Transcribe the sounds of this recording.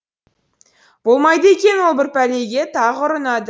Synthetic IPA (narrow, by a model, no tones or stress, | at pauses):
b̥o̞lˠmɑjd̪əekʲe̞nwo̞lˠbɪɾpæle̞jɡʲe̞t̪ʰɑʁʊɾənɑd̪ə